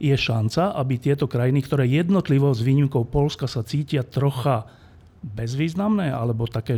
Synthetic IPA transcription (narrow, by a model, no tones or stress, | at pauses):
jɛʃant͡saʔabit̪ɪɛt̪ɔkɾajinikt̪ɔɾɛːjɛd̪nɔt̪liʋɔzʋiːɲimkɔʊpɔlskasat͡siːcɪat̪ɾɔxa | bɛzʋiːznamnɛːʔa̰lɛbɔt̪akɛː